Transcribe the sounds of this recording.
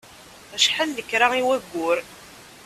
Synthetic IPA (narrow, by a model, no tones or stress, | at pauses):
æʃħalðəkːɾaiwæɡʷːʊɾ